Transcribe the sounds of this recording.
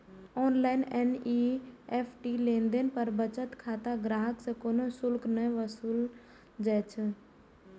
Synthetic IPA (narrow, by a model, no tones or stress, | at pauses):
ɔːnlaːɪneːniːeːpʰʈiːlẽːnd̪enɪ̆pəɾbət͡ʃət̪kʰaːt̪aɡɾaːɦəksẽkoːnosʊlknəĩʋəsuːl | d͡ʒaːt͡ʃʰ